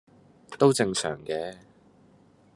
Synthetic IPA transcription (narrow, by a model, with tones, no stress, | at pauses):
t̪o˥wt͡sɪ˧ŋsœ̰ː˨˩ŋkɛː˧